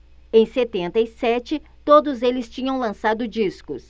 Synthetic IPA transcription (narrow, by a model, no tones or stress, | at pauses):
ẽj̃set̪ẽnt̪ɐisɛt͡ʃɪt̪od̪ʊzelɪst͡ʃĩɲɐ̃w̃lɐ̃sad̪ʊd͡ʒiskʊ̰s